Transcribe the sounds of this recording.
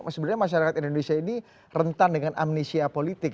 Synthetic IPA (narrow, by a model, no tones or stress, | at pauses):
səbənɲamaʃ̬aɾakat̪indonesiaini | rənt̪andəŋana̰mnesiapolit̪ɪk